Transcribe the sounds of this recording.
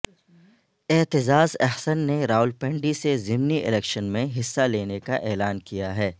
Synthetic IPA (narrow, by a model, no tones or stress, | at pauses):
ɪt̪ɪzaːzɛɦsənːeɾaːʊlpɛ̃ːɳɖisezɪmniʔɪ̰lɛːkʃənmẽɦɪsːaleːnekaʔɛːlaːnkijaɦɛː